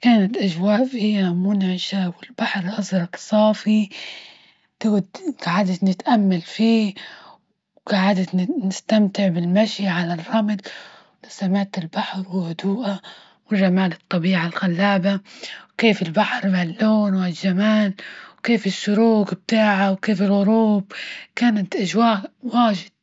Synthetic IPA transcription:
kaːnat̪ʔaʒwaːʔfihɪanamːuːnaʕaʃaːbwɪlbaħɾˤʔɑzɾˤɑksˤɑːfi | t̪ɪɡd̪ɡ̥aʕad̪at̪nɪt̪ʔamːalfiː | ɡaʕad̪at̪nɪst̪amt̪ɪʕbɪlmaʃiʕalarˤːɑmd̪ | asamaʕt̪ɪlbaħɾwɪhʊd̪uːʔa | wɪʒːamaːlɨt̪ˤːɑbiːʕalɣalːaːbawkeːfɪlbaħɾˤmalːoːnwɪlʒamaːlwkeːfɪʃːʊɾuːɡb̚t̪aːʕawkeːfɪlɣʊɾuːbkaːnat̪ʔaʒwaːʔwaːʒɪd̪̥̚

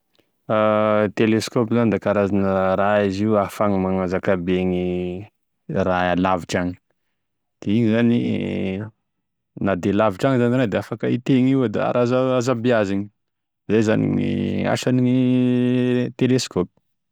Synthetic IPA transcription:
at̪eleskopizanid̪akaɾazanəɾaiziuafaŋimaŋazakabeŋi | raalaviʈ͡ʂaŋi̥ | d̪̥eiɲizanḭ | nad̪elaviʈ͡ʂaŋizaniɾad̪eafakəit̪eŋiwd̪a̰a̰ɾʔazaazabiaziɲi̥ | zajzanḭḭa̰ʃanii | t̪eleskopi̥

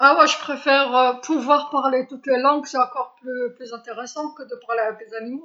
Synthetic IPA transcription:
awɛʒəpχefɛʁøpʰuvwaʁpaʁlet̪ut̪lelɑ̃ɡsɔ̃ɑ̃kɔʁplyplyzɛ̃t̪eʁesɑ̃kəd̪əpaʁleavɛkd̪ezanimo

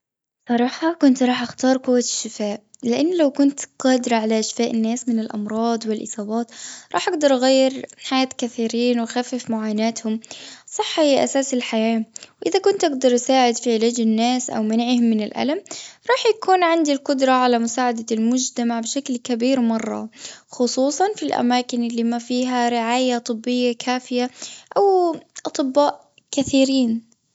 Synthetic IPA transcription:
sˤɑɾˤɑːħɑkʊnt̪ɾˤɑːħʔaxt̪ɑːɾˤqʊwːaʃːɪfaːʔlɪʔanːlawkʊnt̪qɑːd̪ɾˤɑʕalaʔaʃfaːʔɪnːaːsmɪnɪlʔɑ̰mɾˤɑːd̪ˤwɪlʔɨ̰sˤɑːbɑːt̪ɾˤɑːħʔaɡd̪ɑɾˤʔaɣajːɪɾħajaːt̪kaθiːɾiːnwɪxafːɪfmʊʕaːnaːt̪hʊmsˤɑħːʔa̰saːsɪlħajaːwʔɪðakʊnt̪ʔaɡd̪ɑɾˤʔsaːʕɪd̪fiʕɪlaːd͡ʒɪnːaːsʔa̰wmanʕihʊmːɪnɪlʔa̰lamɾˤɑːħjakuːnʕɪnd̪ilqʊd̪ɾˤɑʕalamʊsaːʕad̪almʊd͡ʒt̪amaʕbɪʃaklkabiːɾmɑrˤːɑ̰xʊsˤuːsˤɑnfilʔa̰maːkɪnɪlːiːmafiːɦaɾɪʕaːjat̪ˤɨbːɪjːakʰaːfɪjaʔawʔɑt̪ˤɨbːaːʔ | kaθiːɾiːn

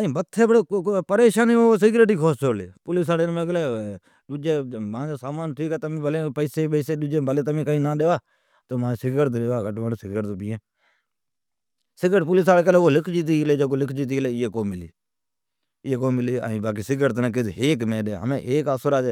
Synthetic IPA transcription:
əĩːbət̪ʰːeːbəɽepəɾeːʃaːnioːs̬ɪɡɾeʈiːkʰoːst͡ʃoːɽleːpʊlɪs̬aːɽenmẽːɡəleː | ɗʊd͡ʒeːmãːd͡ʒeːsaːmaːnt̪ʰiːkeːt̪əmẽːbəleːpəɪseːpəːseːɗud͡ʒeːbəleːt̪əmẽːkəĩːnãːɗeːʋaː | t̪oːmãːsɪɡəɾt̪̬ːɗeːʋaːɡəʈʋaːɽsɪɡəɾt̪opiːeː | sɪɡəʈp̬ʊlɪs̬aːleːk̬əleoːlɪkʰd͡ʒiːt̪̬iːleːd͡ʒəkoːlɪkʰd͡ʒiːt̪̬iːleːɪjeːkoːmɪlḭː | ɪeːkoːmɪliːa̰ĩːbaːk̬iːsɪɡəɾt̪nãːk̬ɪd̪eːkmẽːɗḛːɦə̰mẽːʔeːkaːsəɾaːd͡ʒeː

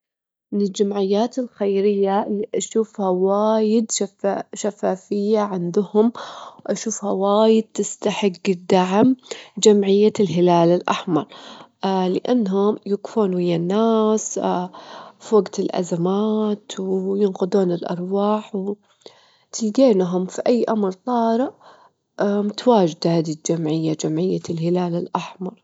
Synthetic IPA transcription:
mɪnɪld͡ʒamʕɪjːaːt̪ɪlxajɾɪjːalːiːʔaʃuːfhawaːjɪd̪ʃʃafaːfɪjːaʕɪnd̪ʊhʊmwʔaʃuːfhawaːjɪd̪̚t̪ɪst̪aħɪɡːd̪aʕmd͡ʒamʕɪjːalɦɪlaːlɪlʔa̰ħmɑɾˤ | lɪʔanːɦʊmjʊkfuːnwɪjːanːaːs | fwaɡt̪ɪlʔa̰zamaːt̪wjɪnqʊd̪uːnɪlʔɑ̰ɾˤwaːħw | t̪ɪlɡ̪eːnɦʊmfiʔajːʔamɾt̪ˤɑːɾɪʔ | mʊt̪waːd͡ʒd̪ad̪id͡ʒamʕɪjːad͡ʒamʕɪjːalhɪlaːlɪlʔaħmɑɾˤ

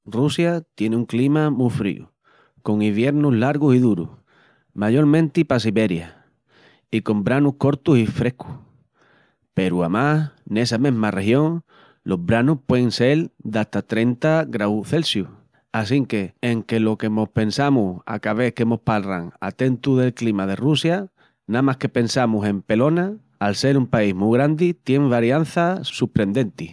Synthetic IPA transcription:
rusjat̪je̞neuŋklimamufɾḭṵ | ko̞ŋiβje̞ɾnuɦlaɾɣ̞usiðuɾṵh | maʝo̞ɾmẽnt̪ipas̬iβe̞ɾja | ikõ̞mbɾanuhko̞ɾt̪usifɾe̞hkʰu̥ | pe̞ɾuamahne̞samẽɦmare̞hjõ̞ŋ | lʔo̞ɦβɾanuhpwe̞ðeŋse̞ld̪at̪at̪ɾe̞nt̪aɡɾawθe̞lsju | asiŋke̞ːŋke̞lo̞ke̞mo̞hpe̞nsamuha̰kaβe̞hke̞mo̞hpalra̰ŋa̰t̪e̞nt̪uðe̞lklimað̞e̞rusja | namahke̞pe̞nsamusẽ̞mpe̞lo̞na | alse̞ɾumpaiɦmuɣ̞ɾand̪it̪je̞ŋβaɾjan̟θasupɾe̞nd̪e̞nt̪i

